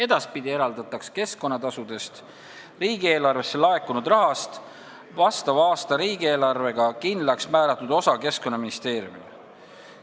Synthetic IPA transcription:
e̞d̪̥ɑspid̪̥ie̞ɾɑld̪ɑt̪ɑkske̞skˑo̞nːɑt̪ɑsud̪̥e̞st̪ | riːɡ̥ie̞ːlɑrve̞sːe̞lɑe̞kːˑunud̪rɑɦɑst̪ | vɑst̪ɑvɑːst̪ɑɾiːɡie̞ːlɑrve̞ɡ̥ɑkind̪lɑksmæːɾɑt̪ːˑud̪o̞sɑke̞sko̞nːɑminist̪e̞ːɾjṵṵm

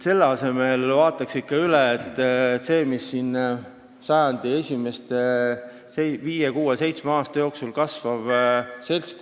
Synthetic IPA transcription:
se̞lːeɑse̞melvɑːt̪ːˑɑksikːɑyleːt̪ːˑse̞ːmisːin | sɑjɑnd̪̥ie̞sʲime̞st̪e | eviːjekuːese̞jt̪smeɑːst̪ɑjo̞ːksulkɑsvɑv̥se̞lsk

